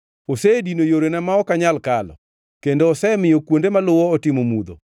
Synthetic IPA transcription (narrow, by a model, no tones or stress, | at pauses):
osedinojoɾenɛmaɔkaɲalkalɔ̰ | kendoːsɛmɪjokwondemalʊwɔːtɪmomud̪o̰